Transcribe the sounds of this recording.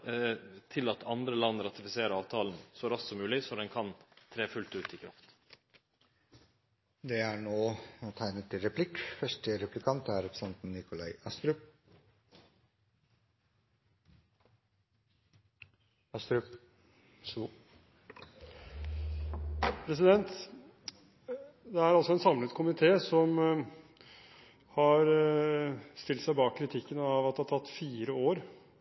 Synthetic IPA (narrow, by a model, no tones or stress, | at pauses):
t̪ʰɪlɑt̪ʰɑnd̪ɾəlɑnɾɑt̪ɪfɪseːɾəɑːʋt̪ʰɑːln̩sɔɾɑst̪sɔmːʉːlɪsɔd̪ɛnkʰɑnt̪ʰɾeːfʉlt̪ʉːt̪ɪːkʰɾɑ̰ft̪ | d̪ɛæɳoːt̪ʰæɪnət̪ʰːɪlɾɛpʰlɪkfœʂʈəɾɛplɪkʰɑnt̪æɾɛpɾsɛnt̪n̩nɪkʊlɑɪʔɑst̪ɾʉp | s | pʰɾɛs̬ɪd̪ɛnt̪ | d̪ɛæɾɑlsɔɛnsɑmlət̪kʰʊmɪt̪ʰeːsɔm | hɑɾ | st̪ɪlt̪sæɪbɑːkʰːɾɪt̪ʰɪkːənɑʋɑt̪dɑt̪ʰɑt̪ːfiːɾəoːɾ